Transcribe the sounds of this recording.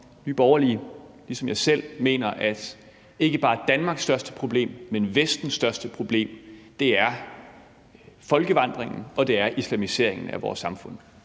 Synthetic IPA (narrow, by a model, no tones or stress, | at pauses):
nyːb̥ɒʊɐliəlisɒ̽mjɑ̈ɪsel̰me̝̰ːnɐʔæd̥ | e̝ɡ̥əb̥ɑ̈ːd̥ænmɑ̈ɡ̥sd̥ɶɐsd̥əpʰʁo̝b̥le̝̰ːmːenʋesd̥n̩sd̥ɶɐsd̥əpʰʁo̝b̥le̝̰ːmd̥e̝æɐ | fɒ̽lɡ̥əʋɑ̈n̰d̥ʁeŋn̩ɒ̽d̥e̝æɐʔislæmise̝̰ɐ̰e̝ŋn̩æʋɒ̰ːsːɑ̈mfɔ̽n̰